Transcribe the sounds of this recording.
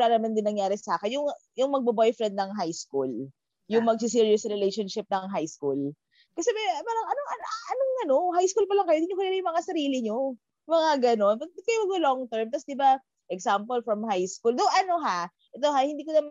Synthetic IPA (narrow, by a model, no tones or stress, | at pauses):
ɾanɐmand̪ɪnːɐŋjaːɾɛsɐaːkɪnjʊŋjʊŋmɐɡ̚bɐbojfɾɛnd̪̚nɐŋɦajskul | jʊŋmɐɡ̚s̬ɪs̬iɹjʊsɾɪlejʃonʃɪp̚nɐŋɦajskul | kɐsɛbɛpaːɾɐŋɐnoɐʔɐnoŋɐno̞hajskulpɐlɐŋkɐjoɪd̪iɲʊkɐllɐjʊŋmɐŋasɐɾiːlɪɲo | mɐŋaɡɐno̞npɐɪt̪̚kɐjomɐɡɐloŋt̪ɛɹmt̪ɐsd̪ɪba | ʔɛksampolfɹɐmhajskuld̪oʔɐno̞ɦa | ʔɛt̪o̞ɦahɪnd̪iːkonɐm